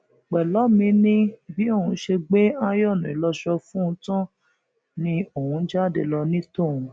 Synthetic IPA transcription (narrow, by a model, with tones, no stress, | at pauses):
k͡pɛ˨lɔ˨˦mĩ˧˦nĩ˧˨bi˨˦o˦˨ũ˧˦ʃe˧ɡ͡be˦a˦jɔ˦˨nũ˨i˨lɔ˧ʃɔ˧fũ˦˧tɔ̃˦ | nĩ˧o˨hũ˧˦d͡ʒa˦˨dḛ˧˨lɔ˧nĩ˦to˦˨ũ˨˧